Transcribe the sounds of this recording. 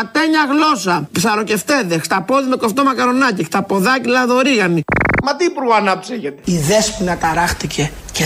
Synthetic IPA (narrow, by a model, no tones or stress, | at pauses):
ɐt̪eɲɐɣlo̞sɐpsɐɾo̞ce̞ft̪e̞ðexst̪ɐpo̞ðimekoft̪o̞mɐkɐɾo̞nɐcist̪ɐpo̞ðɐcilɐðo̞ɾiɣɐnimɐt̪iːpuɾɣoɐnɐpseʝet̪eiðespunɐt̪ɐɾɐxt̪icʰe̞ | ce